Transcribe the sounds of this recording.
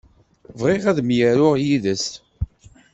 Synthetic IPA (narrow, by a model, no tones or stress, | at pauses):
vʁeʁæðmjəɾʊʁjiðəst̪